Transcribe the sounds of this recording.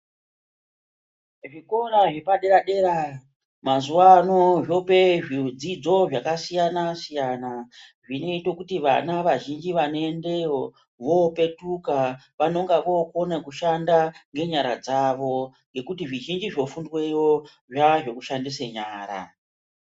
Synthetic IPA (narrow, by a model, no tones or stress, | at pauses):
ʐiko̞ɾaʐepaɗe̞ɾaɗe̞ɾa | mazuanoʐo̞pe̞ʐid͡zid͡zo̞ʐakasijanasijana | ʐine̞ito̞kutiʋa̰naʋaʒind͡ʒiʋanoende̞wo | ʋo̞pe̞tuka | ʋano̞ŋɡaʋo̞konekuʃandaŋɡe̞ɲaɾa̰d͡zaʋo̞ŋɡe̞kutiʐiʒind͡ʒiʐo̞fundwejo | ʐaʐo̞kuʃandiseɲaːɾa̰